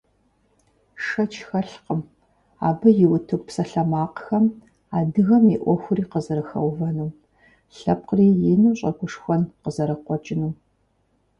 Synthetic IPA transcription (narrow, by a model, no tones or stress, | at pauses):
ʂɐt͡ʃʰxɐɬqəm | a̰ːbɨjɪwʊtʰɨk̚ʷʼpsɐɬɐmaːqxɐm | aːdɨɣɐmiʔʷɔxʷʊɾiːqəzɐɾɐxɐ̰wvɐnu | ɬɐp̚qriːjɪnuːɕʼɐɡʷʊʂxʷɐnqəzɐɾɐqʷɔt͡ʃʼɪnu